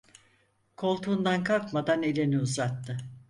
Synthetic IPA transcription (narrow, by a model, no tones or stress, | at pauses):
kʰo̞lˠt̪ʰuːnd̪ankʰalˠkmad̪ane̞lʲeniuzat̪ːɯ